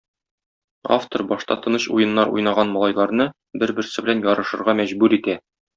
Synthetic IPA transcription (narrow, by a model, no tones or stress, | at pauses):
a̰ft̪oɾbɒʃt̪ɑ̰t̪ɤ̆nɤɕṵjɤ̆nːɑɾṵjnɑʁɑnmɒlˠɑjlˠɑɾnɤ | bɘɾbɘ̆ɾsɘbɘ̆lænjɒɾɤ̆ʃɤ̆ɾʁɑmæʑbʉɾit̪æ